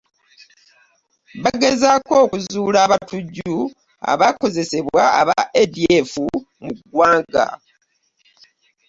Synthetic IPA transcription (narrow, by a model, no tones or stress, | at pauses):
βaɡe̞zako̞ːkuzuːlaːβatuɟːu | a̰βako̞ze̞se̞βa̰ːβaʔedie̞fu | muɡwaːŋɡa̰